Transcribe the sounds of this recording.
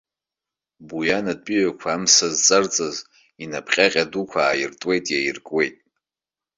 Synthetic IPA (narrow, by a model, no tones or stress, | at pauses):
bujanad̚pʼiɥakʷʰaːmsazt͡sʼart͡sʼaz | inapʰχʲʼaqʲʼadukʷʰaːjirtʼwe̞jtʼjajirkʼwe̞jtʼ